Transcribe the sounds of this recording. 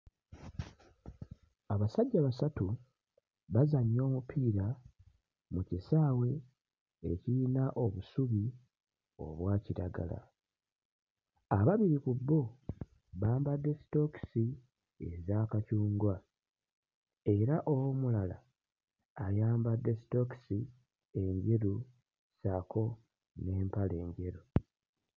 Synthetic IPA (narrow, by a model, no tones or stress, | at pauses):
aβasaɟːaβasatu | βazaɲːo̞ːmupʰiːɾa | mucisaːwe̞ː | ciinaʔo̞βusuβi | o̞̰βwaːciɾaɡa̰la̰ | aβaβiɾikubːo | βaːmbadːe̞si̥to̞ksi | ezaːkacuːŋɡwa | e̞ɾaʔowomulala̰ː | jaːmbadːe̞si̥to̞ki̥si | e̞ɲɟe̞ɾu | sakʰo̞ | ne̞ːmpale̞ːɲɟe̞ɾu